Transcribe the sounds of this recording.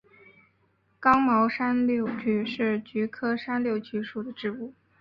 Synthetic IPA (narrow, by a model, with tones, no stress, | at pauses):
kɑ˥ŋmɑ˧˥ʊʂa˥nljo˥˩ʊt͡ɕy˧˥ʂɻ̩˥˩t͡ɕy˧˥kʰɤ˥ʂa˥nljo˥˩ʊt͡ɕy˧˥ʂu˨˩d̪ə˦ʈ͡ʂɻ̩˥˧u˥˩